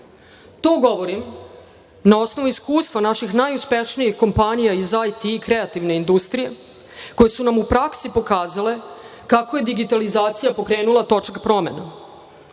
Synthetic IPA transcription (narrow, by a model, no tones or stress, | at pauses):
t̪o̞ːɡo̞ʋo̞ɾim | nao̞sno̞ʋuiskuːst̪ʋanaʃixnajuspe̞ʃnijixko̞mpanijaizajt̪ikɾe̞at̪iʋne̞ind̪ust̪ɾije̞ | ko̞jesunamupɾaksipo̞kaːzale̞kakoje̞d̪iɡit̪alizaːt̪sijapo̞kɾeːnulat̪o̞t͡ʂakpɾo̞me̞na̰